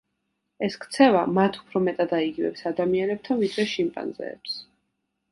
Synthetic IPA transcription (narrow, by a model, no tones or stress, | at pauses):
ɛskʰt̪sʰɛvamat̪ʰu̥pʰɾɔmɛt̪ʼad̪aiɡivɛ̰psad̪amianɛb̚t̪ʰanvid̪ɾɛʃimpʼa̰nzɛ̰ːps